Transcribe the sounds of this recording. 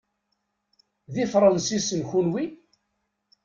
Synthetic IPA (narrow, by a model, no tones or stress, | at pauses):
ðifɾˤɑnsisənçunwi